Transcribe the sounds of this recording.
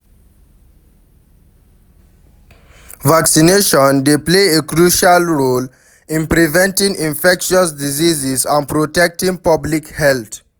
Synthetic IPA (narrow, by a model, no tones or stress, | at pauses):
ʋaksineʃɔ̃ndepleːekɾuːʃalɾoːl | ĩnpɾivɛ̃nʈĩŋĩnfɛkʃɔs̬diziːzizãnpɾoʈɛk̚ʈĩŋpʌblikhɛlt̪ʰ